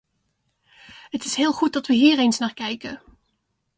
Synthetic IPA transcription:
ɦətɪsɦɪːlˠχut̚dɑtʋəɦiːrejnsnaːɹkɛjkə

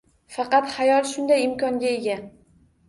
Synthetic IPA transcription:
fɑqɑt̪χajɒlˠʃʊnd̪ajɪmkɒŋɡʲae̞ɡʲa

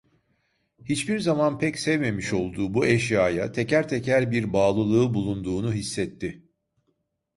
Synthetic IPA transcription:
hit͡ʃbiɾzamanpʰɛcsɛvme̞miʃo̞lˠd̪uːbuɛʃjaːjat̪ʰecæɾt̪ʰecʰæɾbiɾbaːlˠɯlˠɯɯbulˠund̪uːnuɦisːɛt̪ʰːɪ

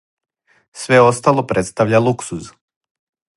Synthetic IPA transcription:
sʋeo̞st̪alopɾet̪st̪aʋʎalˠuksuz

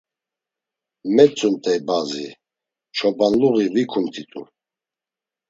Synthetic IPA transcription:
mɛt͡sʼunt̪ʰʼɛjbazḭ | t͡ʃʰɔbanluɣivikʰunt̪ʰit̪ʰʼṵ

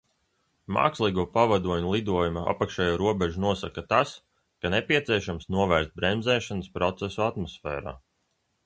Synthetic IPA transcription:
ma̰ːkslˠiːɡuɔpavad̪uɔjumlˠid̪uɔjumaa̰pakʃɛːjuːɾuɔbɛʒunuɔsakat̪as | kanepʲiɛt̪siɛʃamsnuɔvæːɾst̪̚bɾɛmzɛːʃanəspɾɔt̪sɛsuat̪mɔsfɛ̰ːɾa̰ː

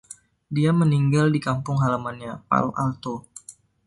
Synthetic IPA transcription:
diaməniŋɡaldikampʊŋɦalamanɲapa̰loʔa̰lt̪o

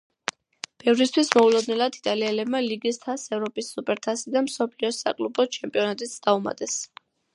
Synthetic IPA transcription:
b̥ɛvɾist̪ʰwismɔulˠɔd̪nɛlad̪it̪ʼaliɛlɛb̚maliɡist̪ʰasɛvɾɔpʼisːupʼɛɾt̪ʰasid̪amsɔpʰliɔsa̰kʼlupʼɔt͡ʃʰɛmpʼiɔnat̪ʼit̪sʰd̪̥auma̰t̪ʼɛs

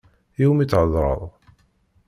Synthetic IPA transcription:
jiwmit͡sːʕðˤɾˤə̰ðˤ

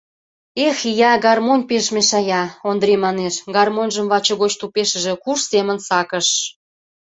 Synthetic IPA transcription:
exijɑɡɑrmonʲpeʃmeʃɑjɑond̪ɾimɑneʃɡɑrmonʒə̆mβɑt͡ɕŏɣot͡ɕt̪upeʃə̆ʒĕkuʃsemə̆nsɑkə̆ʃ

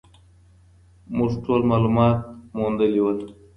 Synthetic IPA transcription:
muʂʈwalmɑːlumɑːt̪̚mond̪əliwəl

